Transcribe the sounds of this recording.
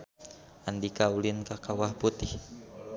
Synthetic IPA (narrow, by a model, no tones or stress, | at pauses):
andikaulinkakawahput̪ih